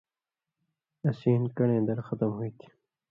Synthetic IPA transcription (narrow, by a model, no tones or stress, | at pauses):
ɐsiːnkɐɽẽːnd̪ɐɾxɐt̪əmhuit̪ʰi̥